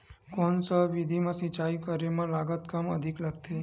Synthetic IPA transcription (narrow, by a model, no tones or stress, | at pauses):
koːnsəʋid̪ʱimãsit͡ʃaːikəɾemãlaːɡət̪kəməd̪ʱikləɡt̪ʰe